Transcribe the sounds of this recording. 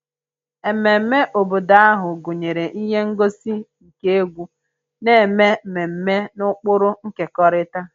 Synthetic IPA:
e˨me˨m̩˦me˦ʔo˨bo˨da˨˦a˦ɦʊ˨ɡo˨ɲe˨ɾe˨ʔi˦ɦe˦ŋ̩˦ɡo˦si˦˨ | ke˦e˦ɡʷu˦ | ne˦e˨me˦me˨m̩˦me˦nʊ˦k͡pʊ˦ɾʊ˦ŋ̩˦ke˨kɔ˦ɾɪ˦ta˦

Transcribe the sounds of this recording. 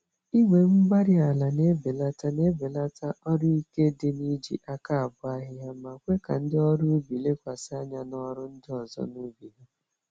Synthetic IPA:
i˦ŋʷe˨m̩˦ɡ͡ba˦ɾɪ˦a˨la˨ne˦be˨la˦ta˦ne˦be˨la˦ta˦ʔɔ˦ɾi˦i˦ke˦de˦ni˦d͡ʒḭ˨ʔa˦ka˦˨a˨bʊ˦a˦ɦɪ˦ɦa˦ma˨kʷe˦ka̰˨n̩˦dɪ˦ɔ˦ɾu˦bi˨le˦kʷa˨sɪ˦a˦ɲa˦nɔ˦ɾʊ˦n̩˦dɪ˦ɔ˨zɔ̰˦nu˦bi˨ɦa˦

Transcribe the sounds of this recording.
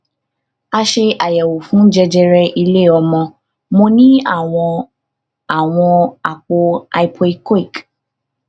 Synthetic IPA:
a˧ʃe˧ʔa˨jɛ˨wo˨fũ˨˦d͡ʒɛ˧d͡ʒɛ˧ɾɛ˧ʔi˧le˦˨ɔ˧mɔ̃˧ | mõ˧nĩ˦a˦˨w̃ɔ̃˧ | a˨w̃ɔ̃˧a˨k͡po˧a˧i˧pʰo˧i˧ke˦˨k

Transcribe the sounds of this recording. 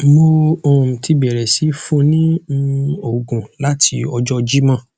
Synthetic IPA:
mo˧ɔ˨m̩̃˨ti˧bɛ˨ɾɛ˨si˨˦fũ˦nĩ˦ | o˦˨ɡũ˨la˦tʰi˧ɔ˧d͡ʒɔ˦d͡ʒi˦mã˦˨

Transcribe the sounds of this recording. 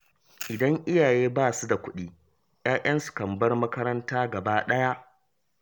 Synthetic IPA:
ʔɪ˨dɐ˦ŋʔɪ˦jaː˨jeː˦baː˦˨su˦da˨kʷʊ˦ɗiː˦ | j̰aː˦jʔɐ˦nsu̥˨kɐ˨mbɐ˦rmɐ˦kɐ˦ɾɐ˦ntaː˦ɡɐ˨baː˦ɗɐ˦ja˦ʔ

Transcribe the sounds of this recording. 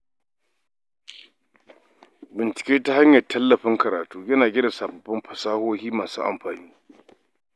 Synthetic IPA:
bɪ˨nt͡ʃɪ̥˨kʲeː˦ta˦ha˦ɲjɐ˨tʰːɐ˦lːɐ˨ɸɪ˦ŋkɐ˨ɾaː˨tuː˦jɐ˦naː˨ɡʲɪ˦da˨saː˨bɐ˨bɪ˦mɸɐ˨saː˦hoː˦hiː˦maː˨sṵ˦ʔa̰˨mɸaː˨niː˦

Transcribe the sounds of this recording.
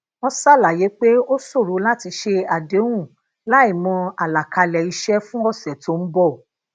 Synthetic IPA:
ɔ̃˦sa˦˨la˨je˨˦k͡pe˦o˦so˦˨ɾo˨˦la˦ti˧ʃe˧a˨dẽ˨˦ũ˦˨ | la˦i˦˨mɔ̃˧a˨la˨ka˧lɛ˨i˧ʃɛ˦fũ˦ɔ˦˨sɛ˨to˨˦n̩˦bɔ˦˨

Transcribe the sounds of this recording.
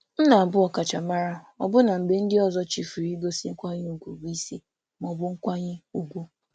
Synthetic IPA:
n̩˦na˨a˨bʊ˦ɔ˨ka˨t͡ʃa˨ma˦ɾa˦ | ɔ̰˨bʊ˦na˨m̩˨be˨n̩˦dɪ˦ɔ˨zɔ˦t͡ʃi˨fu˨ɾi˦ɡo˦si˦ŋ̩˦kʷa˦ɲɪ˦u˨ɡʷu˨bu˦i˦se˦ | mɔ˨bʊ˦ŋ̩˦kʷa˦ɲɪ˦u˨ɡʷu˦

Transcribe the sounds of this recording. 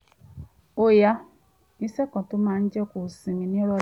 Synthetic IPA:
o˨ja˦ | i˦sɛ˦kɔ̃˨to˨˦mãː˦˧n̩˦d͡ʒɛ˦ko˨sĩ˨mĩ˨nĩ˦ɔ˦ɾɔ˧

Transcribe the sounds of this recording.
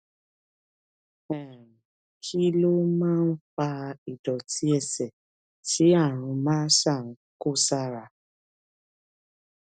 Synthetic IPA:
ɛ˨ɾ̃ | ki˦lo˦mãː˦˧n̩˦fa˧i˨dɔ˨tʰi˨˦ɛ˦˨sɛ˨ | ti˨˦a˦˨ɾ̃ũ˧mãː˦ʃa˦˨n̩˦ | ko˦˨sa˦˨ɾa˧

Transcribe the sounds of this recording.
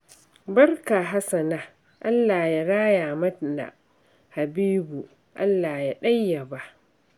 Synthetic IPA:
bɐ˦rka˨ɦa˦sɐ˨na˦ | ʔa˦lːaː˨ja˨ɽaː˦ja˨mɐ˦tna̰˨ | ha˨biː˦bu˨ | ʔa̰˦lːaː˨ja˨ɗa˦jːa˨ba˦ʔ

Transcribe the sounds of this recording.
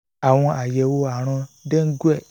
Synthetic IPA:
a˨w̃ɔ̃˧a˨jɛ˨wo˧a˨ɾ̃ɔ̃˧de˦ŋ̩˦ɡu˦ɛ˦˨

